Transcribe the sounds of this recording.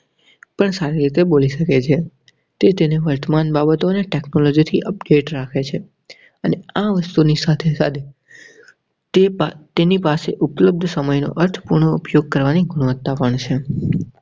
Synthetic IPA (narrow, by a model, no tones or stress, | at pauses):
pəɳsaɾiɾit̪eboliʃəket͡ʃʰe | t̪et̪eneʋəɾt̪əmanbabət̪oneʈeknolod͡ʒit̪ʰiʔəp̚ɖeʈɾakʰet͡ʃʰe | əneaʋəst̪unisat̪ʰesad̪e | et̪enipaseʔupləb̚d̪ʱsəməjno̰ʔəɾt̪ʰə̥puɾɳoupjoɡ̚kəɾʋaniɡʱʊɽ̃əʋət̪ːapəɳt͡ʃʰe